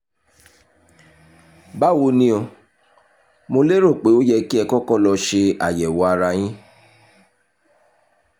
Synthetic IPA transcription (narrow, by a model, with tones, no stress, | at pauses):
ba˦wo˧nĩ˦o˧ | mo˧le˦ɾo˦˨k͡pe˨˦o˦jɛ˧ki˦ɛ˧kɔ˦kɔ˦˨lɔ˧ʃe˧a̰˨jɛ˨wɔ˨˦a˧ɾa˧j̃ĩ˦